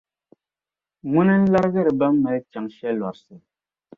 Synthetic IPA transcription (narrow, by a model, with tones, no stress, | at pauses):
ŋu˦nɛ˦n̩˦la˦ɾɣɛ˦ɾba˦mːɛ˨˦t͡ʃa˨ŋʃɛ˦lwa˨ɾsɛ˨